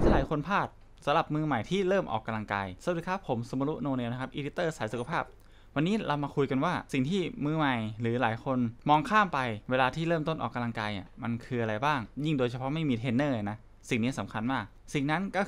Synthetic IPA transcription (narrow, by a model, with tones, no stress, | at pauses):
a˧nt͡ɕa˨˧˦laː˨˦jkʰo˧npʰaː˥˩t̪̚ | sa˨˦mla˨˩p̚mɯː˧ma˨˩jt̪ʰiː˥˩ɾɤː˥˩mʔɔ̰ː˨˩kːa˧mla˧ŋka̰ː˧jsa˧˨˩tiː˧˩kʰa˦˥pʰːo˩˦mso˨˧˦ma˧lu˦˥ʔnoː˧neː˧wna˦˥˩kʰa˦˥pʔiː˧di˦˥t̪ːɤː˥˩saː˩˦su˨kʰa˧pʰaː˥˩p̚ | wa˧nːiː˦˥lʔa˧wmaː˧kʰu˧jka˧nwaː˥˩si˨˩ŋt̪ʰiː˥˩mɯː˧ma˨˩jɾɯː˩˦laː˩˦jkʰo˧nmɔː˧ŋkʰaː˥˩mpa˧jweː˧laː˧t̪ʰiː˥˩ɾɤː˥˩mt̪o˥˩nʔɔː˨˩kːa˧mla˧ŋkaː˧jʔḭ˨˩ma˧nkʰɯː˧ʔa˧ɾa˧jbaː˥˩ŋji˥˩ŋdoː˧jt͡ɕʰa˧pʰɔ˦˥ma˥˩jmiː˧t̪ʰeː˧nːɤː˥˩a˨˩na˦˥ | si˨˩ŋniː˦˥sa˨˩˦mkʰa˧nmaː˥˩k̚si˨˩ŋna˦˥nkɔː˥˩